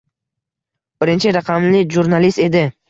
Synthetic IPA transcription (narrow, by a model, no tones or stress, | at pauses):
b̥ɪɾɪnt͡ʃʰɪɾaqʰɑmlɪʒuɾnalist̪e̞d̪ɪ